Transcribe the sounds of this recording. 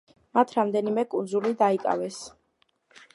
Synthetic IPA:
mat̪ʰɾamd̪ɛnimɛkʼund̪zulid̪aikʼa̰vɛs

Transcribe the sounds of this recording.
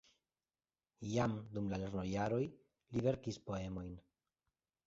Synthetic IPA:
jamd̪umlale̞ɾno̞jaɾo̞j | live̞ɾkispo̞e̞mo̞jn

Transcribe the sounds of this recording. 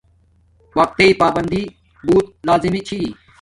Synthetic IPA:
ʋɐk̚t̪eipaːbənd̪ʱi | buːt̪̚laːzimit͡ʃʰi

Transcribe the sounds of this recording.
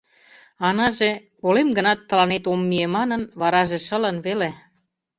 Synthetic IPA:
ɑnɑʒepolemɡə̆nɑt̪ːə̆lɑnet̪omːiemɑnənβɑɾɑʒĕʃə̆lənβele

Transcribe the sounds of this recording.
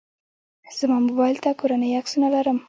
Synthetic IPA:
z̥əmɑmobɑjlt̪akoɾanəjaksunalaɾəm

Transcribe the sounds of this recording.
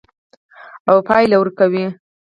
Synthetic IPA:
awpɑjlawəɾkawi

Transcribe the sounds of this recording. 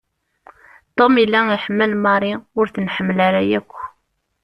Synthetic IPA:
t̪ˤomilːaiħəmːəlmɑɾˤiʊɾθənħəmːəlaɾæjækʷː

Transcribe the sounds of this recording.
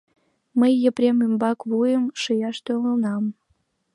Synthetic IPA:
məjːəpɾʲemymbɑkβujəmʃəjɑʃt̪ølənɑm

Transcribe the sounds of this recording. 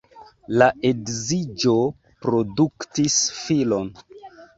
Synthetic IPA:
laʔedzid͡ʒo̞ | pɾo̞duktisfilo̞n

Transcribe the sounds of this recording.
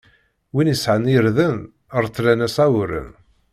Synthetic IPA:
winjəsʕəniəɾðən | əɾˤθlænæsæwɾə̰n

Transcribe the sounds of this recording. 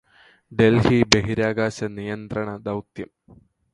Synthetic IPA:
d̪e̞lhibeɦiɾaːɡaːɕɐnijɐnd̪rɐɳɐd̪ɐwt̪jɐm

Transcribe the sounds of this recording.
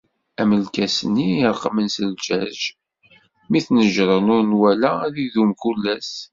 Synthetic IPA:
æməlkæsənːiɾˤqmənsəld͡ʒæʒ | miθnəʒɾˤənʊɾnwælæðiðumkulːæs

